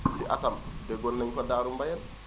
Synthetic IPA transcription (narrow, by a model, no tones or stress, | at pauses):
siʔa̰tamdɛɡɔnːaɲkɔdaːɾumbajan